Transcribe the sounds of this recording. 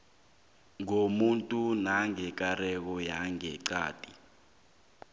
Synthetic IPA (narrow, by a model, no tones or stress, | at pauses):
ŋomuntʼunaŋɛk̬arɛk̬ɔjaŋɛǀa̰ːtʼi